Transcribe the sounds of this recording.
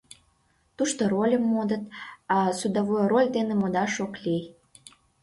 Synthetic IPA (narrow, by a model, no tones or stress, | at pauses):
t̪uʃt̪oɾolʲəmːod̪ət̪ɑsud̪ɑβojɾolʲd̪enĕmod̪ɑʃoklʲij